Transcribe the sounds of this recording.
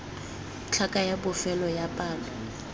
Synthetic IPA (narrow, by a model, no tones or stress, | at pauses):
t͡ɬʰakʼajabʊfɛlɔjapʼaːlɔ